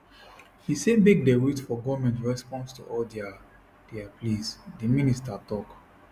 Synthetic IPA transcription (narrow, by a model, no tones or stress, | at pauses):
hisebek̚deɹitfɔɡɔmɛ̃ntɹɛspɔ̃nstṵʔɔldɛa | d̥ɛaplisdiministatɔk